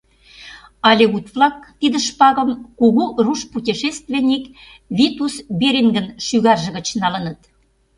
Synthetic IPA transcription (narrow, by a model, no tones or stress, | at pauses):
ɑlʲeut̪vlɑkt̪id̪ə̆ʃpɑɣə̆mkuɣuruʃput̪ʲiʃest̪vʲenʲik | βit̪usbeɾeŋɡə̆nʃyɣɑrʒə̆ɣə̆t͡ɕnɑlə̆nə̆t̪